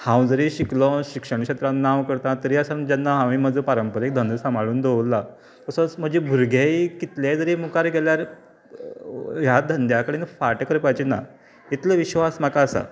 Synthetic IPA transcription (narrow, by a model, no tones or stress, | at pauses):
hãwd͡zəɾiɕiklɔ̃ɕikʂəɳ̃kɕet̪ɾãnːãʋkəɾt̪ãt̪əɾiːəsand͡ʑanːaɦãʋĩməd͡zəpəɾəmpəɾek̚d̪ʱənd̪əsamʱaɭuːnd̪oʋlːa | k̪əsə̃t͡sm̤əd͡ʑebʱuɾɡʱaikit̪ljad͡zəɾemukaɾɡeljaɾ | ɦjad̪ʱənd̪jakəɽenəfaʈkəɾpajt͡ɕina̰ | it̪ʰləʋiɕʋasm̤akaːsa̰